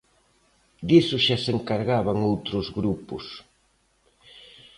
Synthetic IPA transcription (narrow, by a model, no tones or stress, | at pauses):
d̪isʊʃaseŋkaɾɣaβaŋowt̪ɾʊzɣɾupʊs